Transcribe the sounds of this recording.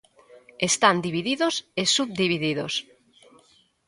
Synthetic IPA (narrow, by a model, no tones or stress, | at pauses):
est̪and̪iβiðiðosesuβ̚d̪iβiðiðos